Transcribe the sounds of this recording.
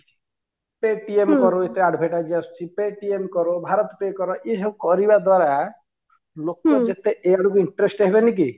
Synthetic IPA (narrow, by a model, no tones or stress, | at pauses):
peʈiemkɔɾoet̪eaɖbʱeʈad͡ʒiast͡ʃʰipeʈiemkɔɾobʱaɾɔt̪ɔpekɔɾɔʔesɔbkɔɾibad̪waɾa | lokɔd͡ʒet̪eʔeaɽuk̬uiɳʈɾesʈɦebenik̬i